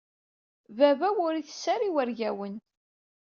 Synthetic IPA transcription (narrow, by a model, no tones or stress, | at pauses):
vævæwʊɾiθə̥sːaɾiwæɾʝæwən